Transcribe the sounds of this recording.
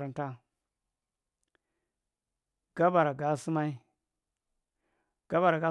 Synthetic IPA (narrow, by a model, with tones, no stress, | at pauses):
ɾa˨n˨ta˦ | ɡ̥a˦ba˨ɾa˨ɡa˨˦si˦ma˦i˦ | ɡ̥a˦ba˨ɾa˨ɡa˦